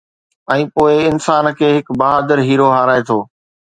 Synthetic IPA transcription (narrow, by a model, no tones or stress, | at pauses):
ɛ̃ːpoːɪɪnsaːnkʰeːɦɪkbɐɦaːd̪əɾɦiːɾoɦaːɾaːet̪ʰoː